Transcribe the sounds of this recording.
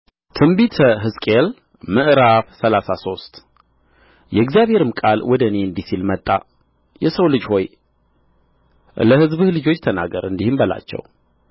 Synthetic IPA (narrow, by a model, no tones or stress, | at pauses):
t̪ʰɨmbit̪ʰəɦɨskʼel | mɨʔɾafsəlasaso̞st̪ʼ | jɛɪɡzijaβhe̞ɾɨmkʼalwʔɔd̪əneɨnd̪isilmət̪ʼːa̰ | jɛsəwlɨd͡ʒho̞j | ləhɨzbɨhlɨd͡ʒo̞t͡ʃːt̪ʰəna̰ɡəɾɨnd̪ihɨmbəla̰t͡ʃːɛ̰w